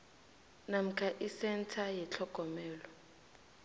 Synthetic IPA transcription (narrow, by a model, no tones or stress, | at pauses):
nam̩kʰaʔisɛntʰajɛt͡ɬʰɔɡ̥ʱɔmɛːlɔ